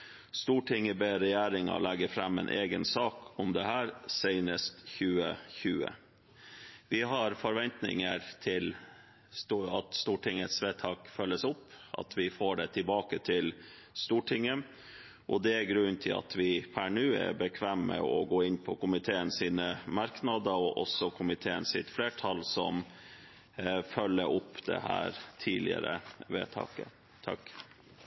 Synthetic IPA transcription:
st̪uːʈʰɪŋəbeɾɛjæːɾɪŋɑ̰lɛɡəɾfɾɑmːɛ̰ːnʔeːɡənsɑːkʊmd̪ɛhæːɾsɛɪnəst̪çʉːəçʉːə̰ | ʋɪɦɑɾfɔɾʋɛnt̪nɪ̰ŋəɾt̪ʰɪl | st̪ɑt̪st̪uːʈɪŋət̪sʋeːt̪ʰɑːkfœlːəsʊpːɑ̰t̪ʰʋɪfoːɖɛt̪ʰɪlbɑːkət̪ʰɪl | st̪uːʈʰɪŋːə | ʔɔd̪ɛæɾɡɾʉnt̪ʰɪlɑ̰t̪ʋɪpʰæɳʉːɛ̰ɾbəkʰʋæːmːə̰ɔɡoːɪnːpʰɔkʊmɪt̪ʰeːənsiːnəmɑɾknɑd̪əɾɔʔɔsɔkʰʊmɪt̪ʰeːənsɪt̪fleːʈʰɑlsɔm | fœlːəɾʔʊpːd̪̥ɛ̰hæ̰ːɾt̪ʰiːlɪ̰ə̰ɾə̰ʋḛːt̪ʰɑ̰ːkə̰ | t̪ʰɑ̰k

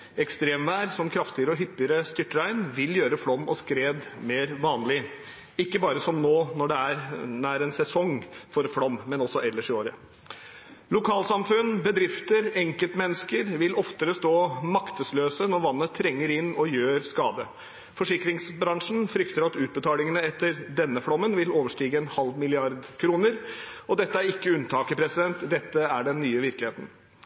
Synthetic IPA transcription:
ɛkst̪ɾeːmʋæːɾsɔmkʰɾɑft̪ɪəɾəɔɦʏpːɪəɾəst̪ʏʈːəɾæɪnʋɪljøːɾəfɽɔmːɔskɾeːd̪meːɾʋɑːnlɪ | ɪkːəbɑːɾəsɔmnoːnɔɖɛæɾnæːɾɛnsɛsɔŋfɔɾfɽɔmːɛnɔsɔʔɛlːəʂɪoːɾə | lʊkʰɑːlsɑmfʉnːbəd̪ɾɪft̪əɾɛŋkəlt̪mɛnːəskəɾʋɪlɔft̪əɾəst̪oːmɑkt̪əsløːsənɔɾʋɑnːət̪ʰːɾɛŋːəɾɪnːɔjøːɾskɑːd̪ə | fɔʂɪkɾɪŋsbɾɑŋʂn̩fɾʏkt̪əɾɑt̪ʉːt̪̚bət̪ʰɑːlɪŋənəɛt̪ːəɾd̪ɛnːəfɽɔmːənʋɪloːʋəʂʈiːɡəɛnhɑlʋmɪlɪɑɾd̪kʰɾuːnəɾɔd̪ɛt̪ːəæɾɪkːəʉnt̪ʰɑːkəpʰɾɛsɪd̪ɛnt̪d̪ɛt̪ːəæɖɛnːyːəʋɪɾklɪheːt̪n̩

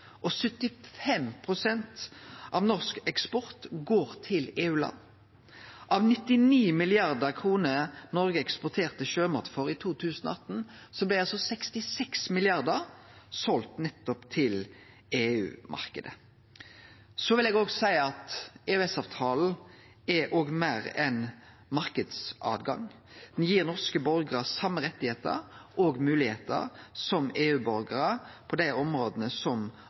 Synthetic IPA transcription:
ʔɔsʉt̪ːɪfɛmpʰʁʊsɛnt̪ʔɑʋnɔʁskɛkspɔʁt̪ɡoːʁt̪ʰɪleːʉːlɑ̰nː | ʔɑʋnɪt̪ːɪniːmɪlɪɑʁd̪əʁkʰʁuːnənɔʁɡəɛkspʊʁt̪ʰeːʁt̪əʃøːmɔʁt̪fɔʁit̪ʰuːt̪ʰʉːsnɔ̰ɑt̪n | sɔblæɪɑlsɔsɛkst̪ɪsɛksmɪlɪɑʁd̪əʁsɔlt̪nɛt̪ːɔpt̪ʰɪl | eːʉ̰ːmʔɑ̰ʁkəd̪ə | sɔʋɪlɛːɡoːɡsæɪəɑt̪eːʉɛsɑːʋt̪ʰɑːl̩ | ɛʔoːɡmæːɾɛn | mɑɾkəd̪sʔɑ̰ːd̪ɡɑ̰ŋ | d̪̥ɛnjiːʁnɔʁskəbœɾɡʁəsɑmːəʁɛt̪ːɪheːt̪ə̰ɾɔɡmʉːlɪheːt̪ə̰ɾsɔmeːʉːbœɾɡəʁəpʰɔd̪æɪʔɔmɾoːd̪ənəsɔm

